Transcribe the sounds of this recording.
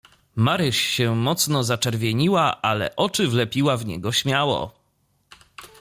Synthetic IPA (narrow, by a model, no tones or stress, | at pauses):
maɾɘʂɕɛmɔt̪snɔzat͡ʂɛɾvʲjɛɲiwaʔalɛ̰ʔɔt͡ʂɘvlɛpʲiwavɲɛ̰ɡɔɕmʲjawɔ̰